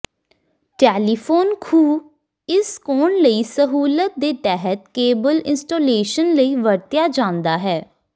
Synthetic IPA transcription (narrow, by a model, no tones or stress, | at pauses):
ʈɛːliːpʰoːnkʰuː | ɪskoːɳləiːsəɦuːlət̪̚d̪eːt̪ɛɦət̪keːbəlɪ̰nsʈoːleːʃənləiːʋəɽt̪jaːd͡ʒãːnd̪aːɦɛː